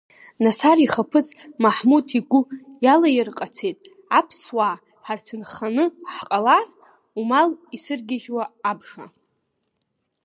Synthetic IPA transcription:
nasariχapʰɨt͡sʼmaħmutʰiɡʷʊjalajɪrqʼat͡sʰe̞jtʼ | apʰswa | ħart͡sʰɨnχanɨħqʼalar | umalisɨrɡʲɪʒwaːbʂa̰

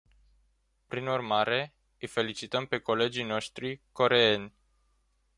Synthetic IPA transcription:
pɾinurmaɾe̞ | ɨjfe̞lit͡ʃit̪əmpe̞ko̞le̞d͡ʒijno̞ʃt̪ɾiko̞ɾe̞e̞nʲ

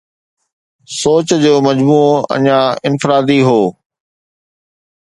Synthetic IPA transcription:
soːt͡ɕd͡ʑoːmɐd͡ʑmuːɐ̰ɲãɪnfɪɾaːd̪iɦoː

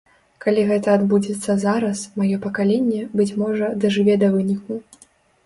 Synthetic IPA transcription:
kalʲiɣɛt̪ɐːd̪bud͡zʲɛt̪sːɐzaɾɐsmajɔpɐkalʲenʲːɛbɨt͡sʲmɔʐɐd̪ɐʐɨvʲɛd̪ɐvɨnʲik̚u

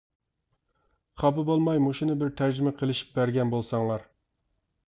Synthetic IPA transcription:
χɑbɨbolˠmɑjmoʃinɨbɪɾt̪ʰæɾd͡ʒymɛqʰəlˠɪʃi̥p̚bæɾɡʲɛnbolˠsɑŋlˠɑɾ

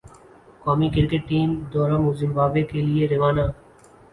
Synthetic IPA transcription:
kaːmikɪɾkeʈːiːmd̪ɔːɾãmuːzɪmʋaːbekelieɾɪʋaːnaː

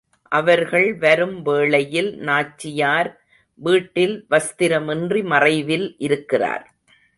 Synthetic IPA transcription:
ʔɐʋɐɾɣɐɭʋɐɾɯmʋeːɭɐjɪlnaːt͡ʃːɪjaːɾ | ʋiːʈːɪlʋɐst̪ɪɾɐmɪndrimɐrɐɪʋɪlʔɪɾɯkːɪra̰ːɾ

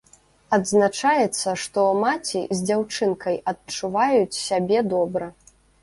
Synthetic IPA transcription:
ɐd̪znat͡ʂajɛt̪sːɐʂt̪ɔmat͡sʲizʲd͡zʲawt͡ʂɨnkɐjɐt̚t͡ʂuvajut͡sʲsʲabʲɛd̪ɔbɾɐ

